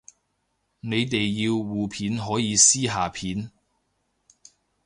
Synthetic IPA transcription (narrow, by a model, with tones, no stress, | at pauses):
ne˨˧jt̪e˨jːiː˧wːuː˨pʰiː˨˥nɦɔː˨˥jiː˨˧siː˥ɦaː˨pʰiː˨˥n